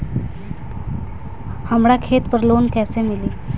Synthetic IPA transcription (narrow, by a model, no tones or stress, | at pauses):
hambɽakʰet̪pəɾlonkɛsemili